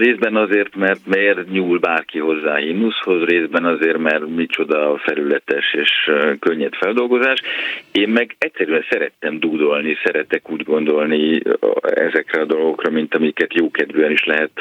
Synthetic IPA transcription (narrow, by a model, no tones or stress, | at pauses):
reːzbɛnɒzeːrt̪mɛrt̪mɛrɲuːlbaːrkiɦo̞zːaːɦimnusho̞zreːzbɛnɒzeːrmɛrmit͡ʃo̞d̪ɒfɛɾylɛt̪ɛʃeːʃkøɲːɛt̪fɛld̪o̞lɡo̞zaːʃeːmːɛɡɛct̪sɛɾyɛnsɛɾɛt̪ːɛmd̪uːd̪o̞lnisɛɾɛt̪ɛkuːɟɡo̞nd̪o̞lni | ɛ̰zɛkrɛɒd̪oloɡokrɒmint̪ɒmikɛt̪joːkɛd̪vøɛniʃlɛɦɛt̪